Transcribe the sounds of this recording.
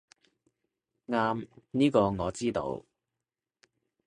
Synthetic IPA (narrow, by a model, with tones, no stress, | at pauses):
ŋaː˥mniː˥kɔː˧ŋɔː˨˧t͡siː˥t̪o̰˧w